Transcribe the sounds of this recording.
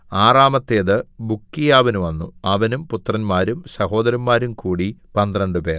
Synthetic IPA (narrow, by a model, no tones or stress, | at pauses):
aːraːmɐt̪ːeːðɨbukːijaːʋɐnuʋɐnːuɐʋɐnumput̪rɐnmaːɾumsɐho̞ːd̪ɐɾɐmːaːɾumkuːɽipɐnd̪rɐɳɖɨpeː